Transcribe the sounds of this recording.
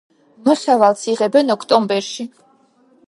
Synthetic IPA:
mɔsavalˠsiʁɛbɛnɔkʰt̪ʼɔmbɛɾʃi

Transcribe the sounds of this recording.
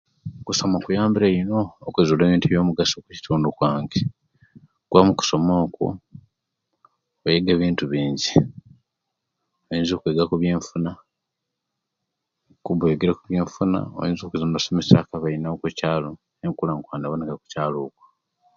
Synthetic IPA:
kuso̞mokujaːmbiɾeino̞ːkwezule̞ːβiːntueβjo̞ːmuɡasoku̥ci̥tʰuːndukwaːŋɡe | kuamuku̥so̞moːkṵ | ojeɡe̞ːβiːntuβiːɲɟi | ojiːnziokweːɡakuβje̞ːɱfuna | kuβeɡeɾakuβjeːɱfuna̰o̰jḭːnzokezamβaso̞mesakaβainaokwecaːlo̞ | eŋkulaŋkwaːndaβonekaku̥caːloːkwḁ

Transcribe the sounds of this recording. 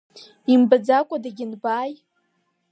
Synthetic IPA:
imbad͡zakʷʼadaɡʲɪnbaːj

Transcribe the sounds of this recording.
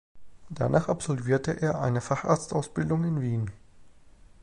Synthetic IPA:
d̥a̰naːχapz̥ɔlviːɐtəʔeːɐʔaɪnəfaχʔa̰ɐt͡stʔaʊsb̥ɪldʊŋɪnviːn

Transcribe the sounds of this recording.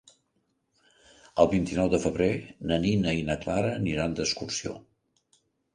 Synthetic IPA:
əlˠβint̪inɔwðəfəβɾenəninəinəklaɾəniɾand̪əskursio̰

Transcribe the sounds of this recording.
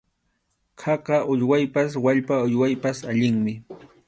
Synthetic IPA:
kʰɑqɑʔʊʎwajpaswaʎpaʊʎwajpasaʎɪŋmɪ

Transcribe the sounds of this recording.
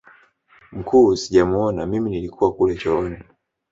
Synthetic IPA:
m̩kʰuːsiʄamuɔnamiminilikʰuwakulɛt͡ʃɔɔnɛ

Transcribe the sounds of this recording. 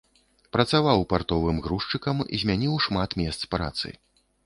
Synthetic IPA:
pɾɐt̪savawpart̪ɔvɨmɣɾuʂt͡ʂɨkɐmḭzʲmʲanʲiwʂmat̪mʲɛst̪spɾa̰t̪sɨ̰

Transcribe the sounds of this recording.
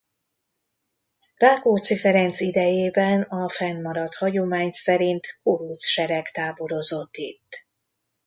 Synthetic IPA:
raːkoːt̪sifɛɾɛnt̪sid̪ɛjeːbɛnɒfɛnːɒɾɒt̪hɒɟo̞maːɲsɛɾint̪kolut̪sʃɛɾɛkt̪aːbo̞ɾo̞zo̞t̪ːit̪ː

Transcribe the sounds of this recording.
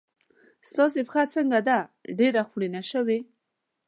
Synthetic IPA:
st̪ɑs̬epxat͡səŋɡad̪aɖeɾaxɽinaʃəwe

